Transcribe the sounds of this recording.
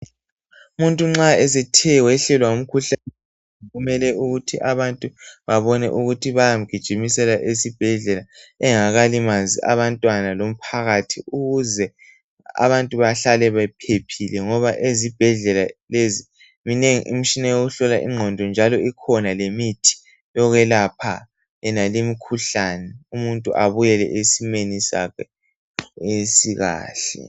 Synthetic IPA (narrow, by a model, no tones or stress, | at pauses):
muntʼuŋ͡ǁaɛs̬ɛtʰɛwɛɬɛlwaŋum̩kʰuɬanɛ | ɣumɛlɛuɣutʰiʔaβantʼuβaβɔnɛ̰ʔuɣutʰiβajam̩ɡ̥ʱid̥ʒ̥ʱimisɛlaʔesib̥ʱɛɮɛlaɛŋaɣalimazḭʔa̰βantʼwanalom̩pʰaɣatʰiuɣuzɛ | a̰βantʼuβaɬalɛβɛp̚ʰepʰilɛŋɔβaʔezib̥ʱɛɮɛlalezi | mineŋiʔim̩ʃinajoɣuɬɔlaʔḭŋ͡ǃʱɔndʱɔnd͡ʒʱalɔikʰɔnalemitʰi̥ | jɔɣɛlapʰa̰ | ɛnalimikʰuɬanɛumuntʼuʔaβujɛlɛ̰ʔesimenisa̰kʰɛ | esiɣa̰ːɬɛ̰